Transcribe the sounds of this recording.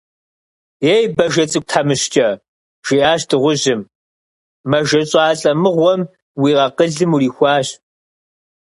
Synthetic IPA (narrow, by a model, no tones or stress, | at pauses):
jejbɐʒɐt͡sʼɨk̚ʷtʰaːmɨɕt͡ʃʼɐ | ʒ̥iʔaːɕtʰɨʁʷʊʑɪmː | ɐʒɐɕʼɑaːɬʼɐmɨʁʷɔm | wiːʁɐqəɮɨmuriːxʷɑːɕ